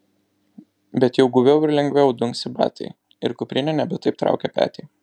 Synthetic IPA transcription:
bʲɛt̪jɛʊɡʊʋʲɛʊɪɾlʲɛŋɡʲʋʲɛʊd̪ʊŋʲksʲɪbɑ̰ːt̪ʲɛ̰ɪ | ɪ̰ɾkʊpʲɾʲɪnʲɛnʲɛbʲɪt̪ɐɪp̚t̪ɾɑ̰ʊkʲɛpʲæ̰ːt̪ʲɛɪ

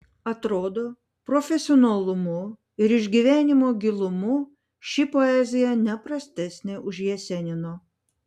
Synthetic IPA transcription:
ɐt̪ɾoːd̪oː | pɾɔfʲɛsʲɪɔnɐlˠʊmʊ | ɪɾɪʒʲɡʲiʋʲæːnʲɪmoːɡʲɪlˠʊmʊ | ʃʲɪpoɛzʲɪjɛnʲɛpɾɐsʲt̪ʲɛsʲnʲɛʔʊʒʲjɛsʲɛnʲɪnoː

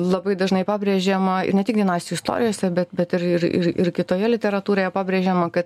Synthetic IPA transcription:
lˠɐbɐɪd̪ɐʒnɐɪpɑːbʲɾʲeːʒʲeːmɐɪ̰rnʲɛt̪ʲɪk̚d̪ʲɛnɑːsʲsʲɛɪst̪o̰ːɾʲɪjoːsʲɛbʲɛt̪bʲɛt̪ɪɾɪɾɪ̰ɾɪ̰ɾkʲɪt̪oːjɛlʲɪt̪ʲɛɾɐt̪uːɾoːjɛpɑːbʲɾʲeːʒʲeːmɐkɐt̪

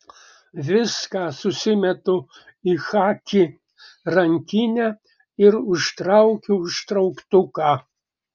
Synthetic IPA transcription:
ʋʲɪskɑsʊsʲɪmʲɛt̪ʊ | ixɑːkʲi | ɾɐŋʲkʲɪnʲæ | ɪɾʊʃt̪ɾɑʊkʲuʊʃt̪ɾɐʊkt̪ʊkɑ

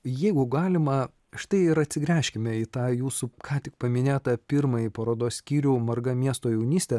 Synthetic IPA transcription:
jɛɪɡʊɡɑːlʲɪmɐ | ʃɪ̥t̪ɐɪɪɾɐt̪ʲsʲɪɡɾʲæːʃʲkʲɪmʲɛiːt̪ɑːjuːsʊkʰɑːt̪ʲɪk̚pɐmʲɪnʲeːt̪ɐpʲɪɾmɐjipɐɾoːd̪oːssʲkʲiːɾʲʊːmɐɾɡɐmʲiɛst̪oːjɛʊnʲiːsʲt̪ʲɛ

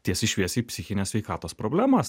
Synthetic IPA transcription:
t̪ʲiɛsɪʃʲʋʲiɛsiːpʲsʲɪxʲɪnʲeːssʲʋʲɛɪkɑːt̪oːspɾoːbʲlʲæːmɐs

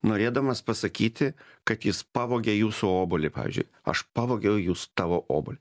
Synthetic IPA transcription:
noːɾʲeːd̪ɐmɐspɐsɐkʲiːt̪ʲɪkɐt̪jɪspɑʋoːɡʲejuːsʊoːbʊlʲɪpɑ̰ːʋʲɪ̰zʲd͡ʒʲʊ̰ɪ | ɐ̰ʃpɑʋoːɡʲɛjʊjuːsʊ̥t̪ɑːʋoːʔo̰ːbʊlʲɪ

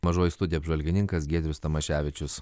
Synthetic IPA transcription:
mɐʒoːjɪst̪ʊd̪ʲɪjɛpʒʋɐlʲɡʲɪnʲɪŋkɐs̬ɡʲeːd̪ʲɾʲʊst̪ɐmɐʃʲæːʋʲɪt͡ʃʲʊs

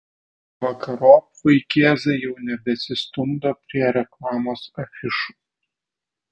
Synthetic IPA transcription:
ʋɐkɐɾoː | ʋɐɪkʲeːzɐjɛʊnʲɛbʲɛsʲɪst̪ʊmd̪opʲɾʲiɛɾʲɛklˠɑːmoːsɐfʲɪʃu̥

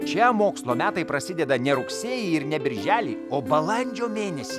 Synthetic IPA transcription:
t͡ʃʲɛmoːkslˠoːmʲæːt̪ɐɪpɾɐsʲɪd̪ʲɛd̪ɐnʲɛɾʊksʲeːjiɪɾnʲɛbʲɪɾʲʒʲæːlʲḭːoːbɐlˠɐnʲd͡ʒʲoːmʲeːnʲɛsʲiː

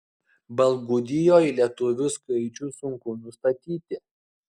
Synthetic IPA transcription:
bɐlˠɡʊd̪ʲɪjoːilʲiɛt̪ʊʋʲʊskɐɪt͡ʃʲusʊŋkʊnʊst̪ɐt̪ʲiːt̪ʲɪ

